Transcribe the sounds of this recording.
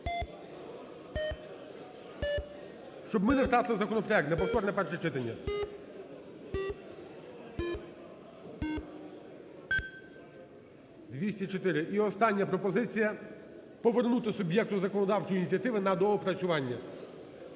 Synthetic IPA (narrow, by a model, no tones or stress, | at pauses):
ʃt͡ʃɔbmɪnewt̪ɑt̪ɪlˠɪzɐkɔnɔpɾɔjɛkt̪nɛpɔwt̪ɔrnɛpɛrʃɐt͡ʃɪt̪ɐnʲːɐ | d̪ʋʲisʲtʲit͡ʃɔt̪ɪɾɪʔiɔst̪ɑnʲːɐpɾɔpɔzɪt͡sʲijɐ | pɔʋernut̪ɪsʊbʲjɛk̚t̪ʊzɐkɔnɔd̪ɑwt͡ʃɔjinʲit͡sʲjɐt̪ɪʋɪnɐd̪ɔɦɔpɾɐt͡sʲʊʋɑnʲːɐ